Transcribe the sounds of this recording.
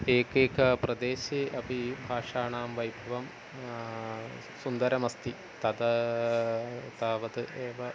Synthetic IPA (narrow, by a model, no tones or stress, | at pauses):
eːkeːkɐprɐd̪eːɕiʔɐpibʱaːʂaːɳaːmʋɐjbʱɐʋɐm | sund̪ɐɾɐmɐst̪i | t̪ɐd̪ɐ | t̪aːʋɐd̪ɨʔeːʋɐ